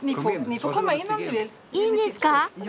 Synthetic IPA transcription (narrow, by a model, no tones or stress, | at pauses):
nifɔnifɔkʰɔmːəɪnːɔmd̪ʉʋɪl | inɪska